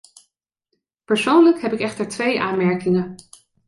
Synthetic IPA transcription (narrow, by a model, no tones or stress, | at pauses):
pəɹsownləkɦɛpɪkɛχtəɹtʋejʔaːnmɛɹkɪŋə